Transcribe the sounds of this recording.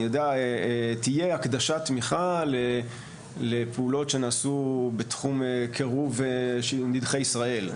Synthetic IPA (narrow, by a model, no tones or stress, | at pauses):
jodeatijeakd̪aʃatmiχale | lepeulo̞tʃe̞naːsubetχumekʰeʁuvʃnidχejisʁae̞l